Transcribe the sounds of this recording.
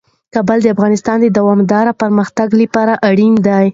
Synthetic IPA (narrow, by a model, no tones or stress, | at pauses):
kɑbəld̪əafɣɑnɪst̪ɑnd̪əd̪awɑmd̪ɑɾapaɾməxt̪aɡlipɑɾaʔaɽind̪aj